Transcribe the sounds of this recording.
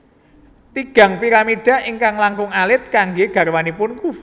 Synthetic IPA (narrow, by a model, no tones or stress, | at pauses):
t̪iɡ̥ä̤ŋpiɾamiɖ̥a̤ʔɪŋkaŋlaŋkʊŋalɪt̪̚kaŋɡeɡ̥a̤rwanipʊnku